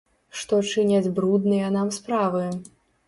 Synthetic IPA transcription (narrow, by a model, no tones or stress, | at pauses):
ʂt̪ɔt͡ʂɨnʲad͡zʲbɾud̪nɨjɐnamspɾavɨ